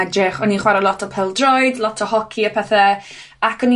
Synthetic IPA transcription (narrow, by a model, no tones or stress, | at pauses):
ɛdrɪχɔniχwaɾəlˠɔtʰɔpʰɛlˠdrɔɨdlˠɔtʰəhɔkʰiapʰɛθɛ | akʰɔni